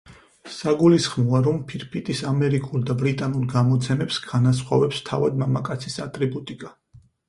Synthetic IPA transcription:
saɡulisχmɔaɾɔmpʰiɾpʰit̪ʼisamɛɾikʼuld̪abɾit̪ʼanuɾɡamɔt̪sʰɛmɛpsɡanas̬χwa̰vɛpst̪ʰavad̪mamakʼat̪sʰisat̪ʼɾibut̪ʼikʼa

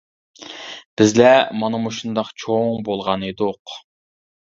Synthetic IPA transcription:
b̥ɪzlɛmɑnɨmuʃund̪ɑqt͡ʃʰoŋbolˠʁɑned̪uq

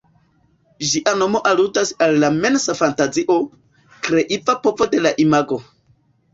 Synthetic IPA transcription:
d͡ʒiʔano̞mo̞ʔalutasalːame̞nsafantaziʔo̞ | kɾe̞ʔivapovode̞laʔimaɡo̞

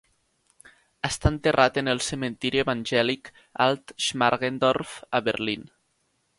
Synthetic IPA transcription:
əst̪aənt̪erʔat̪enəlˠsəmə̃nt̪iɾieβanʲʒɛlik | a̰lˠt̪ʃmaɾɣend̪ɔɾfəβəɾlin

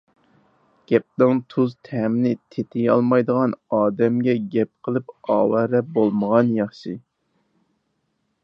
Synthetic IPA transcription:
ɡ̥ʲɛp̚d̪ɨŋt̪ʰuzt̪ʰɛmnɪt̪ʰet̪ʰɪjɑ̰lˠmɑjd̪əʁɑnɑːd̪ɛmɡʲɛɡʲɛp̚qʰəlˠɨpɑ̰ːwɛɾɛbolˠməʁɑnjɑχʃɨ

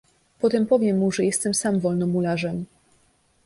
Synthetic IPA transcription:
pɔt̪ɛmpɔvʲjɛmːuʐɛjɛst̪ɛmsamvɔlnɔmulaʐɛm

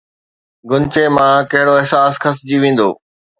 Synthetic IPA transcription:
ɡʊnt͡ɕemãkɐɦɪɽoɪɦsaːsxɐs̬d͡ʑiːʋẽːn̆d̪oː

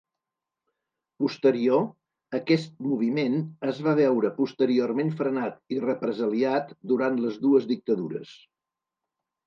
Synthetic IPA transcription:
pust̪əɾio | əkɛst̪̚muβ̞imenəzβaβ̞ɛwɾəpust̪əɾiormenfɾənat̪irəpɾəzəliat̪d̪uɾant̪ləzðuəzðik̚t̪əðuɾə̰s

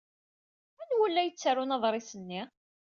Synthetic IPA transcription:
ænwəlːæjət͡sːaɾunɑðˤɾˤɪsənːi

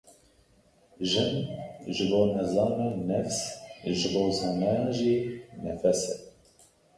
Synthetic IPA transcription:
ʒɪnʒɨboːnɛzɑːmenɛfsʒɨboːzɑːnɛjɑːʒinɛfɛsɛ

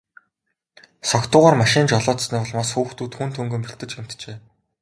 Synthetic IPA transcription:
sɔkt̪ʊːʁaːrmaʃɪːnt͡ɕɔɮɔːt̪sniːpɔɮmaːsxuːxt̪ʰuːt̪xunt̪ʰɵŋɡɵ̆mpɵɬt̪ɘ̆t͡ɕɡem̥t̪t͡ɕeː

